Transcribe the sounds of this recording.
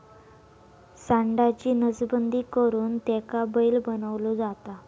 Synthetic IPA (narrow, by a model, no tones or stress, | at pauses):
saɳɖat͡ɕiːnəd͡zbənd̪ʱiːkəɾuːnt̪ɛkabəilbənəʋlud͡zat̪a